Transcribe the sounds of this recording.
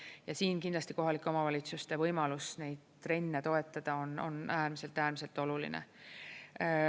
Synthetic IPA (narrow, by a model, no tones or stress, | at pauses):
jɑsiːnkind̪lɑsʲt̪iko̞ɦɑlikːˑeo̞mɑvɑlʲit̪sust̪e̞vɤjmɑlusne̞jd̪̥t̪re̞nʲːet̪o̞e̞t̪ːˑɑd̪̥ɑo̞no̞̰næːrmise̞lt̪ːæːrmise̞lt̪ˑo̞lulḭnḛ